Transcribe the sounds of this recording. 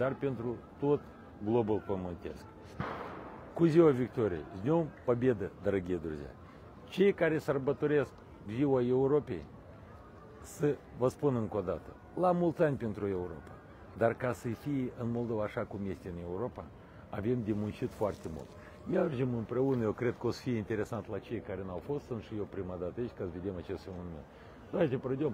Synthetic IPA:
d̪arpe̞nt̪ɾut̪o̞t̪ | ɡlo̞bulpəmɨnt̪e̞̰sk | kuziwavʲikt̪o̞ɾiḛjznʲo̞mpəbe̞d̪əd̪əɾəɡʲijed̪ɾṵzʲa̰ | t͡ʃe̞jkaɾʲe̞sərbət̪o̞ɾe̞sk | ziwaje̞uɾo̞pʲe̞̰j | sə | vəspunɨŋko̞d̪at̪ə | lamult̪sʲanʲpe̞nt̪ɾue̞uɾo̞pa | d̪arkasəfijʔɨnmo̞lˠd̪o̞vaːʃakumje̞st̪ʲeɨne̞uɾo̞pa | ave̞md̪ʲemunt͡ʃit̪foart̪e̞mṵlt̪ | mʲerd͡ʒemɨmpɾe̞unəje̞wkɾe̞d̪̚kəosə̥fijeint̪e̞ɾe̞sant̪lat͡ʃe̞jkaɾʲe̞nawfo̞st̪sɨnt̪ʃijewpɾimad̪at̪ait͡ʃʲkasəve̞d̪e̞mat͡ʃe̞st̪munument̪ | d̪at̪ʲepəɾəd̪ʲom

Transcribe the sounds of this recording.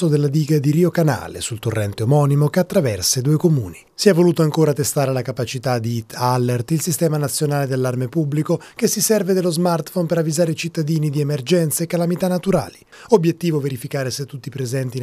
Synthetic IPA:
od̪elːad̪iːɡad̪iɾiokana̰ːlḛsult̪orːʔɛnt̪eomɔːnimokeat̪ːɾavɛrsed̪uːekomṵːnisiɛvːoluːt̪oaŋkoːɾat̪est̪aːɾelakapat͡ʃit̪ad̪iit̪alːert̪ilsist̪ɛːmanat̪sːjonaːled̪elːarmepubːlikokesisɛrved̪elozmart̪fompeɾavːizaːɾeit͡ʃit̪ːad̪iːnid̪iemerd͡ʒɛnt̪seekːalamit̪anːat̪uɾa̰ːli | objet̪ːiːvoveɾifikaːɾeset̪ːut̪ːipɾezɛnt̪i

